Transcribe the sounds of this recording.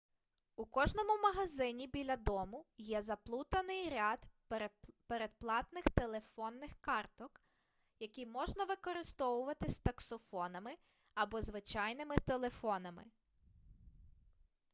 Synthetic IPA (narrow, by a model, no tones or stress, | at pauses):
ukɔʒnɔmʊmɐɦɐzɪnʲibʲilʲɐd̪ɔmʊjɛzɐplˠut̪ɐnɪjɾʲɑd̪ | peɾed̪̚plˠɑt̪nɪxt̪elˠe̞fɔnːɪxkɑrt̪ɔk | jɐkʲijmɔʒnɐʋɪkɔɾɪst̪ɔʋʊʋɐt̪ɪsʲt̪ɐksɔfɔnɐmɪ | ɐbɔzʋɪt͡ʃɑjnɪmɪt̪elˠefɔnɐmɪ̰